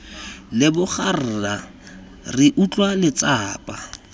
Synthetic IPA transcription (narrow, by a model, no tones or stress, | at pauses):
lɪbʊχʰar̩ra | rɪʔut͡ɬʼwalɪt͡sʼaːpʼa